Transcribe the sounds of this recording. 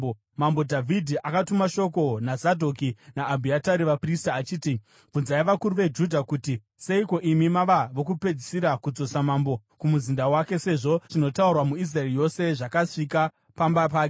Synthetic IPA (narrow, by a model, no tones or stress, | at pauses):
mambo̞dʱavʱidʱiʔakatumaʃo̞ko̞nazadʱo̞kinaːbʱiataɾiʋapristaːt͡ʃiːti | b͡vunzaiʋakuɾuʋe̞d͡ʒudʱakuːti | se̞iko̞ʔimimaʋaʋo̞kupe̞d͡zisiɾakud͡zo̞samambo̞ | kumuzindawake̞se̞ʐo̞t͡ʃino̞taurwamuis̬raerijo̞se̞ʐakaʂika | pambapaːke